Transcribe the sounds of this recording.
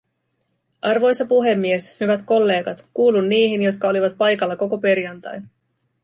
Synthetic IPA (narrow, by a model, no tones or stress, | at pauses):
ʔɑrʋo̞jsɑpuɦe̞mːie̞shyʋæt̪ko̞lːe̞ːɡɑt̪kuːlunːiːɦinjo̞t̪kɑo̞liʋɑt̪̚pɑjkɑlːɑko̞ko̞pe̞ɾjɑnt̪ɑ̰jn